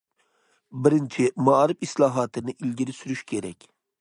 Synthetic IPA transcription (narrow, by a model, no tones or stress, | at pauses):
bɪɾɪnt͡ʃʰɪmɑɾɪfislˠɑːɦɑːt̪ʰɪnɪʔilɡʲiɾɪsyɾyʃkʲʰeɾɛkʲ